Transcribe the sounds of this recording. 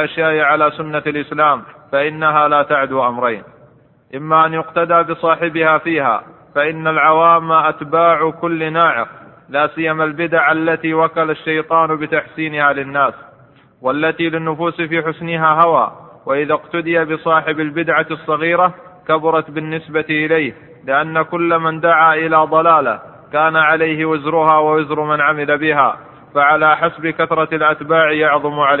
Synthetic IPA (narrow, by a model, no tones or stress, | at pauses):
ʔaʃjaːʔɪʕalaːsʊnːalʔɪslaːmfaʔɪnːaɦaːlaːt̪aʕd̪uːʔamɾˤajn | ʔɪmːaːʔanjʊqt̪ad̪aːbɨsˤɑːħɪbɪhaːfiːha̰ː | faʔɪnːalʕawaːmːaʔat̪baːʕʊkʊlːɪnaːʕɪ̰ɾ | laːsɪjːamalbɪd̪aʕʔalːat̪iːwakalaʃːajt̪ˤɑːnbɪt̪aħsiːnɪhaːlɪnːaːs | walːat̪iːlɪnːʊfuːsfiːħʊsnɪɦaːɦawa̰ːwaʔɪðaqt̪ʊd̪ɪjabɪsˤɑːħɪbalbɪd̪ʕasˤːɑɣiːɾa | kabʊɾˤɑt̪bɪnːɪsbat̪ʔɪlajh | lɪʔanːakʊlːamand̪aʕaːʔɪlaːd̪ˤɑlaːla̰ | kaːnaʕalajɦɪwɪzɾʊɦaːwawɪzɾʊmanʕamɪlabɪɦa̰ː | faʕalaːħasbɪkaθɾˤɑlʔat̪baːʕjɑʕðˤʊmʕal